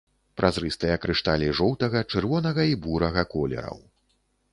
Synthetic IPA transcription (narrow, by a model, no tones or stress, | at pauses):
pɾʔazɾɨst̪ɐjɐkɾɨʂt̪alʲiʐɔwt̪ɐɣɐt͡ʂɨrvɔnɐɣɐibuɾɐɣɐkɔlʲɛ̰ɾɐ̰w